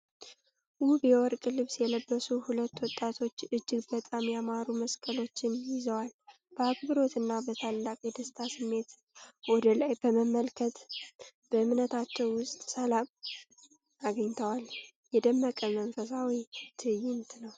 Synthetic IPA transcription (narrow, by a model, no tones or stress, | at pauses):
ʔubjɛwɔɾkʼɨlɨβsjɛləbːəsuhulət̪ːwɔt̪ʼːat̪ʰo̞t͡ʃːɨd͡ʒːɪɡbət̪ʼamjamaɾuməskʼəlo̞t͡ʃːɪnjɪzəwal | b̥əaɡbɨɾo̞t̪ɨnːabət̪ʰalːakʼjɛd̪əst̪ʰasɨmːe̞t̪ | wɔd̪əlajbəməmːəlkʰət̪b̥əɨmnət̪ʰat͡ʃːɛwːʊst̪ʼsəlam | aɡəɲt̪ʰəwal | jɛd̪əmːəkʼəməɱfəsawit̪ʰɨjɪnt̪nəw